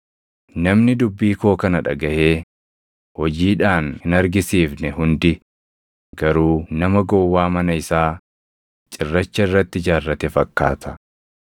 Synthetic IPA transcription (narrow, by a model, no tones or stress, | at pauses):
nɐmnɪd̪ʊbːiːko̞ːkɐnɐᶑɐ̰ɡɐʔeː | hɔd͡ʒiːᶑaːnhɪnɐɾɡɪsiːfnɛhʊnd̪ɪ | ɡɐɾuːnɐmɐɡowːaːmɐnɐɪsaː | t͡ʃʼɪrːɐt͡ʃːɐɪrːɐt̪ːɪd͡ʒaːrːɐt̪ɛfɐkːa̰ːt̪ʰɐ